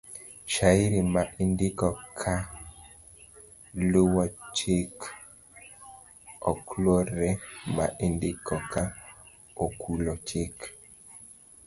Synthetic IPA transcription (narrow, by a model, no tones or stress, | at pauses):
ʃaiɾimaʔindɪkɔkʰa | lowat͡ʃek | ɔkloɾemaʔindɪkʰɔka | okʰulot͡ʃek